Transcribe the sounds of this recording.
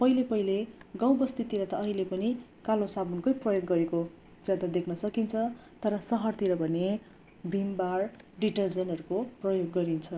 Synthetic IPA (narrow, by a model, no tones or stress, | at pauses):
pʌɦilepʌɦileɡãw̃bʌst̪it̪iɾʌt̪ʌʌɦilepʌni | kalosabʱunkʌjprʌjoɡːʌɾeko | d͡zjad̪ad̪ekʰnʌsʌkint͡sʰʌt̪ʌɾʌsʌɦʌrt̪iɾʌbʱʌne | bʱimbarɖiʈʌrd͡zʌnɦʌɾukoprʌjoɡːʌɾint͡sʰʌ